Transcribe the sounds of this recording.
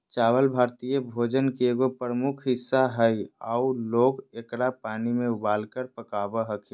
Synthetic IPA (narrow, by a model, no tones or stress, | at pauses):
t͡ʃaːwəlbʱaːɾt̪ijəbʱoːd͡ʒənkeeɡopɾəmukʰɦɪsːaɦəia̰uloːɡekɽapaːnimẽʊbaːlkəɾpəkaːbəɦəkʰe